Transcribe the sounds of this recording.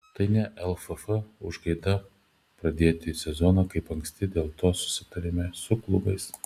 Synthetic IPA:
t̪ɐɪnʲɛʔɛlˠfɐfɐʊʒɡɐɪd̪ɐ | pɾɐd̪ʲeːt̪ʲɪsʲɛzɔnɐkɐɪpɐŋksʲt̪ʲɪd̪ʲeːlˠt̪oːsʊ̥sʲɪt̪ɐɾʲɪmʲɛsʊklˠʊbɐɪs

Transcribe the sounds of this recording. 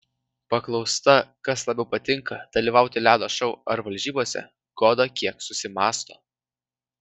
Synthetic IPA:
pɐklˠɒʊst̪ɐkɐslˠɐbʲɛʊpɐt̪ʲɪŋkɐd̪̥ɐlʲiːʋɑˑʊt̪ʲɪlʲæːd̪oːʃɐʊɐɾʋɐlʲʒʲiːboːsʲɛ̰ | ɡ̥oːd̪ɐkʲiɛksʊsʲɪmɑːst̪o̰ː

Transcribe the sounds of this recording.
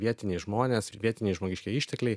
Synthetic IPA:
ʋʲiɛt̪ʲɪnʲeɪʒmoːnʲeːsʋʲiɛt̪ʲɪnʲeɛɪʒmoːɡʲɪʃʲkʲɛiːʃʲt̪ʲɛklʲɛɪ

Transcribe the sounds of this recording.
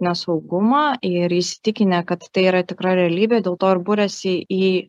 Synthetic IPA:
nʲɛsɐʊɡʊmɑɪɾɪsʲɪ̥t̪ʲɪkʲɪnʲɛkɐt̪ːɐɪiːɾɐt̪ʲɪkɾɑɾʲɛɐlʲiːbʲeːd̪ʲeːlˠt̪oːɪɾbuɾʲɛsʲɪiː

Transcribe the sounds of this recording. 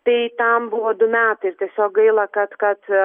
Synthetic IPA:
t̪iːt̪ambuɔd̪umʲaːt̪iɾt̪ɛsɔɡilˠakat̪kat̪

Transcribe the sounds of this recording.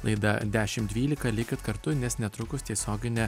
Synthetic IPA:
lˠɐ̰ɪd̪ɐ̰d̪ʲæːʃʲɪmd̪ʲʋʲiːlʲɪkɐlʲɪkʲɪt̪kɐɾt̪ʊnʲɛsnʲɛt̪ɾʊkʊst̪ʲiɛsʲoːɡʲɪnʲɛ

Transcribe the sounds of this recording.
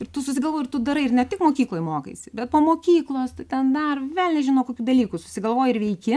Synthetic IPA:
ɪrt̪ʊsʊsʲɪɡɐlˠʋoːjɪʊt̪ʊd̪ɐɾɐɪɪrnʲɛt̪ʲɪkmoːkʲiːklˠoːjmoːkɐ̰ɪsʲɪbʲɛt̪̚poːmoːkʲiːklˠoːst̪ɐɪt̪ʲɛnd̪ɐrʋʲeːlʲˠnʲɛʒʲɪnoːkoːkʲuːd̪ɐlʲiːkusʊ̥sʲɪɡɐlˠʋoːjɪɾʋʲɛɪkʲɪ

